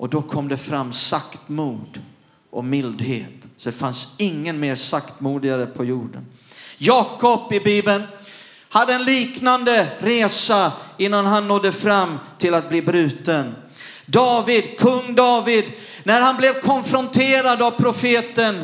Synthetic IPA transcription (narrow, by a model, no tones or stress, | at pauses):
ʔɔd̪ɔkʰɔmd̪ɛfɾamːsakt̪muːd̪ | ʔɔmɪld̪hḛːt̪sɔd̪ɛfansɪŋːənmeːɾsakt̪muːd̪ɪɡaɾəpʰɔjuːɖə̰n | jɑːkɔpɪbiːbən | had̪ːəɛnliːknand̪əɾeːsaɪnːanɦanːɔd̪ːəfɾamːt̪ʰɪlat̪̚bliːbɾʉ̟ːt̪ən | d̪ɑːvɪd̪kʰɵŋːd̪ɑːvɪd̪ | næɾhanblɛvkʰɔnfɾɔnt̪ʰeːɾad̪avpʰɾʊfeːt̪ən